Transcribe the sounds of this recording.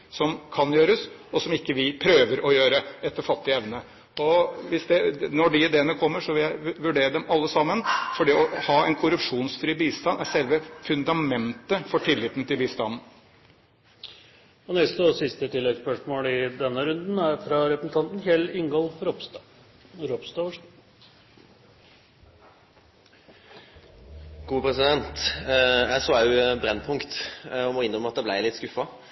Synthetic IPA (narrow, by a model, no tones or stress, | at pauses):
sɔmkʰɑnjøːɾəsɔsɔmɪkːəʋɪpʰɾøːʋəɾɔjøːɾəɛt̪ːəɾfɑt̪ːɪɛʋnə | ɔʋɪsd̪ɛnɔɖɪɪd̪eːənəkʰɔmːəʂɔʋɪljæɪʋʉɖeːɾəd̪ɛmɑlːəsɑmːənfɔɖɛɔhɑːɛɪnkʰʊɾʉpʂuːnsfɾyːbiːst̪ɑnːæʂɛlʋəfʉnd̪ɑmɛnt̪əfɔʈʰɪlːɪːt̪ːn̩t̪ɪlbiːst̪ɑnn̩ | ɔnɛst̪əɔsɪst̪ət̪ʰɪlːɛɡspœʂmoːlɪd̪ɛnːəɾʉnd̪n̩æɾfɾɑɾɛpɾəsn̩t̪ʰɑnt̪n̩hɛlɪŋɡɔlfɾɔpt̪ː | ɾɔpst̪ɑʋəʂ | ɡ̥uːpʰɾɛsɪd̪ɛnt̪jæɪsoːɑbɾɛnːpʰʊŋkt̪ɔmɔɪnɾəməɑt̪̚d̪ɛblæɪlɪt̪ːskʉfɑ